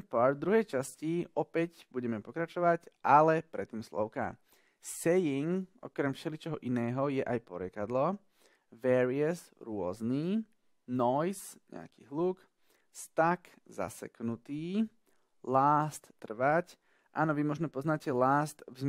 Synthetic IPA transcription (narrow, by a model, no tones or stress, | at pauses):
pɔɾd̪ɾuɦɛjt͡ʃasciʔɔpɛcbuɟɛmɛpɔkɾat͡ʃɔʋacʔalɛpɾɛt̪ːiːmslɔ̰ʊka̰ | sɛjiŋɔ̰kɾɛmfʃɛlit͡ʃɛɦɔʔinɛːɦɔjɛʔajpɔɾɪɛkad̪lɔ | ʋɛːɾiasɾʊɔ̰zniː | nɔjsɲɛ̰a̰kḭːɦluːk | st̪ak | za̰sɛ̰knut̪iː | laːst̪ːr̩ʋac | ʔa̰ːnɔʋimʊɔʒnɛpɔznacɛlaːst̪vz